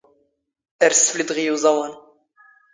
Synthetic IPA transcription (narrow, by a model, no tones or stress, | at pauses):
æɾsflid̪ʁijuzˤɑwan